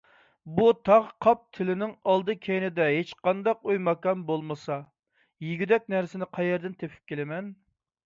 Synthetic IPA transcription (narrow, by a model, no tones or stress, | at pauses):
but̪ʰɑʁqʰɑp̚t̪ʰɪlɪnɪŋɑlˠd̪ɨkʲʰejnɪd̪ɛɦet͡ʃqʰɑnd̪ɑqojmɑkɑmbolˠmɨsɑ | jiɡʲyd̪ɛk̚ʲnæɾsɪnɪqʰɑjɛɾd̪ɪnt̪ʰepʰɪ̥p̚kʲelɪmɛn